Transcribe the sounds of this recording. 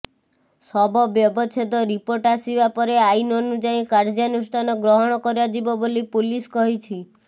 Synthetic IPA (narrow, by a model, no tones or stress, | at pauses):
sɔbʱɔbjɔbɔt͡ʃʰet̪ɔɾipoɾʈaɾsiʋapɔɾeainɔnũd͡ʒaĩkaɾd͡ʒanusʈʰanɔɡɾɔɦɔɽ̃ɔkɔɾjad͡ʒibɔbolipuliskɔɦit͡ʃʰi